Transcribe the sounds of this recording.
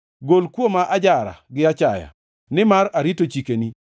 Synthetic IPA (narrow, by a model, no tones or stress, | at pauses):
ɡolkwomaʔad͡ʒaɾa̰ɡɪat͡ʃaja̰ | nɪmaɾaɾitot͡ʃikeni